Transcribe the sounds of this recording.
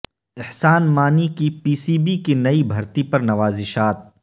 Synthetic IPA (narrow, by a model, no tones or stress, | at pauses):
ɪħsaːnmaːnikipiːsiːbikinɐibʱɐɾt̪ipɐɾnɐʋaːzɪʃaːt̪̚